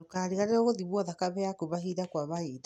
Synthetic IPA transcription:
okaːɾiɣaɾeɾoɣoðimwɔðakaβɛakuβaɦiðakwaβaid

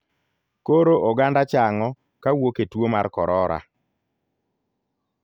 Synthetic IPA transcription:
koɾoʔoɡandat͡ʃaŋɔ | kawoketwomaɾkɔɾɔɾa̰

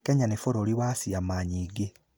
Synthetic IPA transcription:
keɲanefoɾoːliwasiamaɲiːɡe

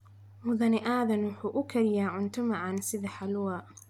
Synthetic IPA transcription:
mʊðɐnɪʔaːðɐnwʊħuːʔʊkʰɐɾɪjaːʕʊnt̪ʰʊmaʕɑnsɪðɐħalʊwa

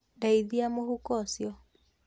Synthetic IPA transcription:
ndaiðiamohukɔsjɔ

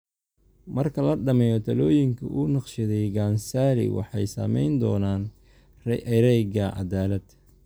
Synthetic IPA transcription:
mɐrkʰɐlɐɖɐmɛjɔt̪ʰɐlɔːjɪŋkʰɐʔuːnɑqʃɪðɛjɡaːnsaːlɪ̰wɑ̰ħɑjsɐ̰mɛ̰jnd̪ɔːnaːn | rʔɾɛjɡɐʕɑ̰ðaːlɐd̪

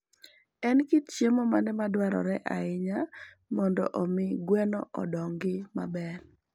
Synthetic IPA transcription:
ɛnkitt͡ʃjemɔmanɛmadwaɾɔ̰ɾɛʔa̰ɪɲa | mɔndɔ̰ʔɔmɪɡwɛnɔ̰ʔɔdɔŋɡɪmabɛr

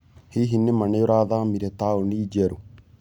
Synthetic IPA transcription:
hiɦinːimɐɳejuɾaːðaːmiɾet̪aːuɳɖiːd͡ʒeɾu

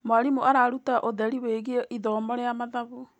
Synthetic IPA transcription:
mwaɾimuʔaɾaɾutaʔoðɛɾiweɣieʔiðɔːmɔɾeamaðaβo

